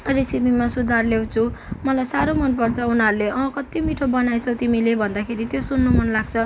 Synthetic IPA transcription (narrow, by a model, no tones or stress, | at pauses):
resibimasud̪ʱarlew̃t͡sʰumʌlajsaɾomʌnpʌrt͡sʰʌunɦaɾuleʔʌ̃kʌt̪imiʈʰobʌnajt͡sʰʌ̃w̃t̪imilebʱʌnd̪akʰeɾit̪josunːomʌnlaɡ̚t͡sʰʌ